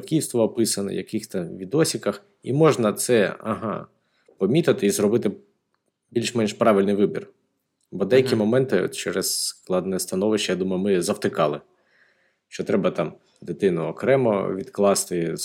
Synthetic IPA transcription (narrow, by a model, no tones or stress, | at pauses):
kʲiwst̪ʋɐɔpɪsɐnɛ̰jɐkɪxt̪ɐʋʲid̪ɔsʲikɐx | imɔʒnɐt̪sɛɐ̰ɦɑ̰ | pɔmʲit̪ɐt̪ɪizɾɔbɪt̪ɪ | bʲilʲʃmɛnʃpɾɑʋʲɪlʲnɪjʋɪbʲir | bɔd̪ɛjɐkʲimɔmɛnt̪ɪ̰t͡ʃɛɾɛssklˠɑd̪nɛst̪ɐnɔʋɪʃt͡ʃːɐjad̪umɐjʊmɪzɐwt̪ɪkɑlˠɪ | ʃt͡ʃɔt̪ɾɛbɐt̪ɑm | d̪ɪt̪ɪnʊɔkɾɛmɔ̰ʋʲid̪klˠɑst̪ɪ